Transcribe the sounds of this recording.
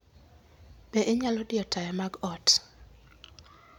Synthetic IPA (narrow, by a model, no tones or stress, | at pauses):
b̥eʔeɲalɔdɪjɔtʰajamaɡɔt